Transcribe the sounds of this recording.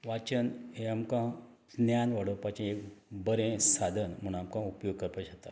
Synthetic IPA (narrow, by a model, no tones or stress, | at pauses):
ʋat͡ɕənɦẽamkã | dnjanʋaɽəpat͡ɕẽekbəɾẽsad̪ʱənm̤əɳ̃amkãupjoɡ̚kəɾpaɕat̪a